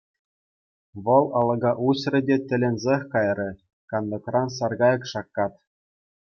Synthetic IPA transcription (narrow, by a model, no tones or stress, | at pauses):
ʋɤ̆lˠɑlˠɤ̆ɡɑʔuɕrʲɘ̆dʲet̪ʲɘ̆lʲɘ̆nʲzʲexʲkɑjrʲɤ̆ | kɑnd̪ɤ̆krɑnsɑrɡɑjɤ̆kʂɑkːɑt̪